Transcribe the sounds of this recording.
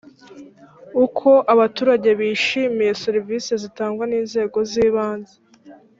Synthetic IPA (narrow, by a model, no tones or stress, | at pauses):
ukʰo̞ʔaβatuːɾaɟe̞βiːʃiːmije̞se̞ɾivisezitaːŋɡwaniːnze̞ːɡo̞ziːβaːnze